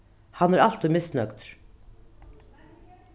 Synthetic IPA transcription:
hanːæɾal̥t̪ʊjmɪsnœkt̪ɾ̥

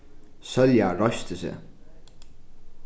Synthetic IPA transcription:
sœljaɾɔst̪əsḛː

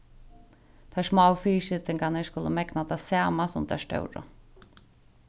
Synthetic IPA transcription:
t̪ʰaʂmaːwfiːʃɪt̪ɪŋkanɛʂkʊləmɛknat̪ʰasaːmasʊmd̪ʰa̰ʂt̪œ̰wɾə̰

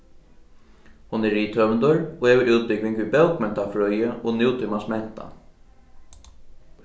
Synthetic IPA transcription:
hʊnɛːiːt̪ʰœvnd̪əɹɔɛvʏɾʔuːt̪̚pɪkvɪŋkvibɛwkmɛnt̪afɹœjəʔɔɣnɪwt̪ʰɪmasmɛn̥t̪a̰

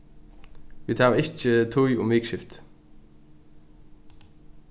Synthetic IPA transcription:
ʋiːt̪ʰɑːɪçət̪ʰʊʏʔʊ̰mʋɪːkʃɪft̪

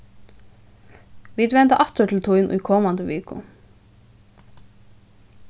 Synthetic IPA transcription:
ʋiːd̪ʋɛnt̪əʔɑt̪əʈʰɪl̩t̪ʰʊʏnʔṵːkʰɔmɑnd̪əʋḛːkʊ̰

